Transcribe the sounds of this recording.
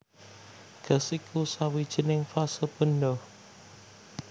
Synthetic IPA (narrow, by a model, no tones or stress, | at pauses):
ɡ̥əsikʰusawid̥ʒ̥i̤nɪŋfasəpənɖɔ